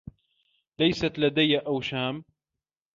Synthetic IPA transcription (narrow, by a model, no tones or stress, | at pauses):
lajsat̪lad̪ajːaʔawʃaːm